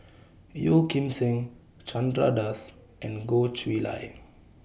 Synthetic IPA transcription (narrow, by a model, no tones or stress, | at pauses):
jokĩmsĩŋ | t͡ʃãndɾa̰das | ʔɛ̃nɡot͡ʃwila̰j